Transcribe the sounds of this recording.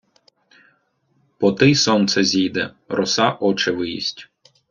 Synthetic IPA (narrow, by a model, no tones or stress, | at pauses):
pɔt̪ɪjsɔnt̪sɛzʲijd̪ɛ | rɔsɑʔɔt͡ʃɪʋɪjḭsʲtʲ